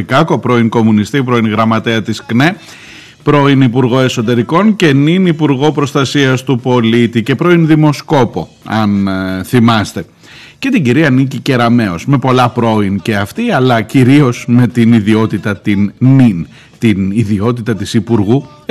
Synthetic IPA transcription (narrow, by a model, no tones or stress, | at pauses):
kɐko̞pɾo̞inko̞munist̪ipɾo̞inɣɾɐmɐt̪eɐt̪iskne̞ | pɾo̞inipuɾɣo̞e̞so̞t̪e̞ɾiko̞nce̞ninipuɾɣo̞pɾo̞st̪ɐsiɐst̪upo̞lit̪ice̞pɾo̞inðimo̞sko̞po̞ | ɐnθimɐst̪e̞ | ce̞t̪iɟiɾiɐnicice̞ɾɐme̞o̞zme̞po̞lɐpɾo̞ince̞ɐft̪iɐlɐciɾio̞zme̞t̪iniðio̞t̪it̪ɐt̪innin | t̪iniðio̞t̪it̪ɐt̪isipuɾɣu